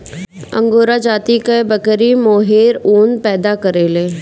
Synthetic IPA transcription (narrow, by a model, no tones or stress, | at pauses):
ə̰̃ŋɡoːɾad͡ʒaːt̪ikebəkɾimoːɦeːɾuːnpɛːd̪akəɾeːleː